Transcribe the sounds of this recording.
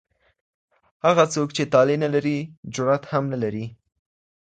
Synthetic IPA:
haɣat͡sokt͡ʃet̪ɑlenalaɾid͡ʒʊɾat̪hamnalaɾi

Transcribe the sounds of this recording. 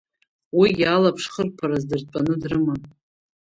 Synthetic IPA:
wijʲalapʰʂχərpʰaɾazdɨrpʼanɨdrɨma

